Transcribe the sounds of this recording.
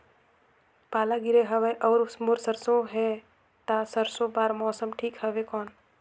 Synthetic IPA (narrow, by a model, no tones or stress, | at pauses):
paːlaɡɪɾeɦəʋeʔɔːɾʊsmoːɾsəɾsõɦɛː | t̪asəɾsõbaːɾmɔːsəmʈʰiːkɦəʋekɔːn